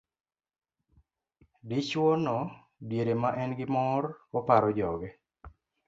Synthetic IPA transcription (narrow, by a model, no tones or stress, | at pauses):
dɪt͡ʃwɔnɔ | bjeɾemaʔɛnɡɪmɔɾɔpaɾɔd͡ʒɔɡɛ